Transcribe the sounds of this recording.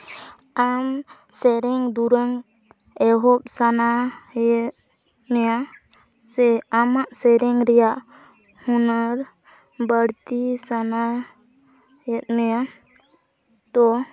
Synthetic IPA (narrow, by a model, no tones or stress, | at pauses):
am | sɛɾɛŋd̪uɾəŋ | ɛɦɔp̚sanajɛt̪̚ | nɛja | sɛamaʔsɛɾɛŋɾɛjaʔ | hunəɾ | bəɽt̪isana | jɛt̪̚nɛja | d̪ɔ